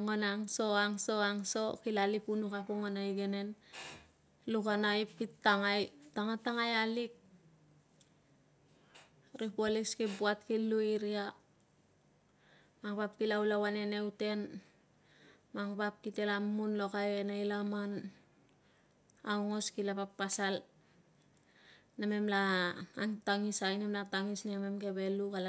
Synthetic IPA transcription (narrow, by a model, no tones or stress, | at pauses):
ŋonaŋso̞aŋso̞aŋso̞kilalipunukapoŋonajɡene̞n | lukanaipːitːaŋajtaŋataŋajalik̚ | ɾipoliskibuat̚kilːuiɾia | maŋpap̚kilawlawane̞ne̞wte̞n | maŋpap̚kite̞lamːunlo̞kajenajlaman | awŋo̞skilapapːasal | name̞mlaːŋtaŋisajnemlataŋisneme̞mke̞βe̞lukala